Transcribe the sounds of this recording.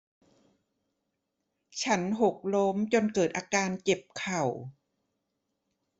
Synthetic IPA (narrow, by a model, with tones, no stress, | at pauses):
t͡ɕʰa˦˥nɦo˨˩k̚lo˦˥mt͡ɕo˧nkɤː˨˩t̪̚ʔaː˧kaː˧nke˨˩p̚kʰa˨˩w